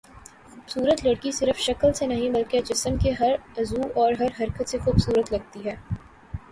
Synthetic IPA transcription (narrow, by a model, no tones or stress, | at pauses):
xuːbsuːɾət̪lɐɽkisɪɾəfʃɐklsenɐɦĩbɐlket͡ʃɪsəmkeɦɐɾɐzuːɔːɾɦɐɾɦɐɾkət̪sexuːbsuːɾət̪lɐɡ̚t̪iɦɛː